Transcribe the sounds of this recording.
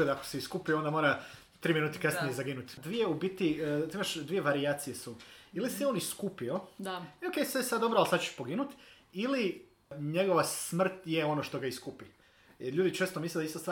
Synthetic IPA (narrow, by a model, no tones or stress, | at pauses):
ed̪ako̥seiskupio̞nd̪amoːɾa | t̪ɾiːminuːt̪e̥kaseezaɡinut̪d̪ʋije̞ubit̪iimaʃd̪ʋije̞ʋaɾiat̪sijesuilisioːniskupio̞d̪aioke̞jsesad̪d̪obɾoalsat̪t͡ʃeʃpo̞ɡinut̪ | ili | ɲe̞ɡo̞ʋasmr̩t̪jeo̞noʃt̪o̞ɡaiskupi | jeɾʎuːd̪it͡ʃeːst̪omisled̪aist̪ost̪a